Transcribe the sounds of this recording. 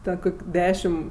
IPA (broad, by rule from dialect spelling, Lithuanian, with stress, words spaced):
ˈtʲɛn ˈkoːkʲ ˈdʲæːʃʲɪm